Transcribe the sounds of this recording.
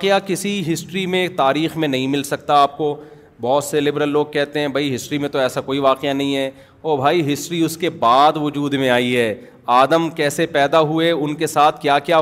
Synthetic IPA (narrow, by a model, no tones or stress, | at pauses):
aːqejakɪsiɦɪsʈɾimẽt̪aːɾiːxmẽnɐɦĩmɪlsɐk̚t̪aaːp̚ko | bɔːt̪selɪbɾəlːoːɡ̚kɛɦt̪eɦɛ̃bʱɐiɦɪsʈɾimẽt̪oɛːsakoːiʋaːqjanɐɦĩɦɛː | ɔːɾbʱaːiɦɪsʈɾiʊskebaːd̪ʋʊd͡ʒuːd̪mẽaːiɦɛː | aːd̪əmkɛːsepɛːd̪aɦʊeʊnkesaːt̪ʰkjaːkjaː